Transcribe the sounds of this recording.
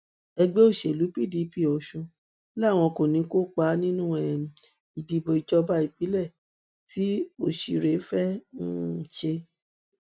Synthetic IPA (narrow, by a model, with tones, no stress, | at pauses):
ɛ˧ɡ͡be˦o˦˨ʃe˨lu˨˦pi˦˨di˨˦pi˦˨ɔ˨ʃũ˧˦ | la˦˨w̃ɔ̃˧ko˨nĩ˨˦ko˦k͡pa˨˧˦nĩ˦nũ˦ɛ˨ | i˨di˨˧bo˧˨i˧˨d͡ʒɔ˧ba˦i˦˨k͡pi˨˦lɛ˦˨ | ti˨˦o˦˨ʃi˨ɾe˨˦fɛ˦n̩˦˨ʃe˧